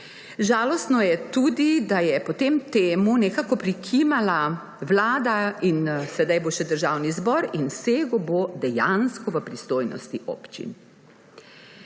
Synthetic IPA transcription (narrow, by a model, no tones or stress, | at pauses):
ʒaːlɔst̪nɔjɛt̪uːd̪id̪ajɛpɔt̪emt̪eːmunɛkakɔpɾikʰimala | wlaːd̪ainsɛd̪ajboʃɛd̪əɾʒaːwnizbɔːɾinseːɡɔbod̪ɛjanskɔʋəpɾist̪oːjnɔ̰st̪iʔo̰ːpt͡ʃḭn